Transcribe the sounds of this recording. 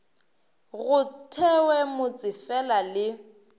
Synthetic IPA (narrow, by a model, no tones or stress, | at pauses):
ɣʊtʰɛwɛmʊt͡sʼɪfɛlalɪ